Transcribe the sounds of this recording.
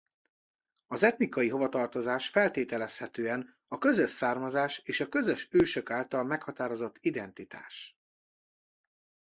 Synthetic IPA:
ɒzɛt̪nikɒjiɦo̞vɒt̪ɒrt̪o̞zaːʃfɛlt̪eːt̪ɛlɛshɛt̪øːɛn | ɒkø̞zøʃsaːrmɒzaːʃeːʃɒkø̞zøʃøːʃøkaːlt̪ɒlmɛkhɒt̪aːɾo̞zo̞t̪ːid̪ɛnt̪it̪a̰ːʃ

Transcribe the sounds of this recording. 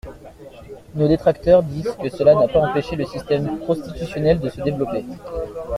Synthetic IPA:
nod̪et̪χak̚t̪œʁd̪izkəsəlanapaɑ̃peʃeləsist̪ɛmpχɔ̃st̪it̪ysjɔnɛld̪əsəd̪evlɔpe

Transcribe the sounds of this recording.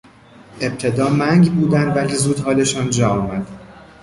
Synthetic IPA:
e̞b̚t̪ʰe̞d̪ɒːmæŋɡbuːd̪ænd̪væliːzuːd̪hɒːle̞ʃɒːnd͡ʒɒːɒːmæd̪̥

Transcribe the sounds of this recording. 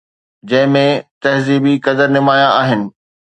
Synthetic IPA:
d͡ʑɐ̃ɦɪ̃mẽt̪ɐɦziːbikɐd̪əɾnɪmaːjãaːɦɪnɪ̆

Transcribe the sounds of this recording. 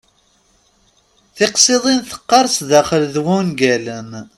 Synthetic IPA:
θɪqsˤeðˤinθə̥qːɑɾˤsðæχəlðwunɡæləm

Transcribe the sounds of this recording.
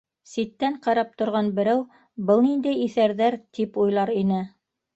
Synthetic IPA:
sit̪ːæɴqɑɾɑp̚t̪ŏɾʁɑnbɘ̆ɾæw | bɤlˠnind̪æjiθæɾðæɾt̪ʰipujlˠɑɾinɘ

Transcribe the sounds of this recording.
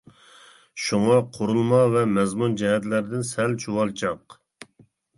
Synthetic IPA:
ʃuŋɑqʰoɾulˠmɑvɛmɛzmund͡ʒɛɦɛt̪læɾd̪ɪnsɛlt͡ʃʰuwɑlˠd͡ʒɑq

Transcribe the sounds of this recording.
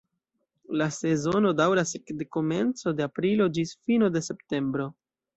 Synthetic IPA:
lase̞zo̞no̞dawɾasekdeko̞me̞nt͡so̞deapɾilo̞d͡ʒisfino̞de̞se̞pte̞mbɾo̞

